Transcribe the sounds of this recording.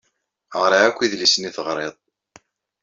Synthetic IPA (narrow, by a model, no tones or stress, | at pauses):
ʁɾˤaækʷːiðlisəniθəʁɾˤeðˤ